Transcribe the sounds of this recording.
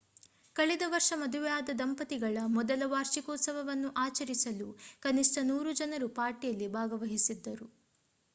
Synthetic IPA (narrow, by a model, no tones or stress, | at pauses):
kɐɭɛd̪ɐʋɐɾʂɐmɐd̪uʋɛjaːd̪ɐd̪ɐmpɐt̪iɡɐɭɐmɔd̪ɐlɐʋaːɾʃikɔːt̪sɐʋɐʋɐnːuʔaːt͡ʃɐɾisɐlukɐnisʈɐnuːɾud͡ʒɐnɐɾupaːɾʈijɐlːibʱaːɡɐʋɐɦisid̪ːɐɾu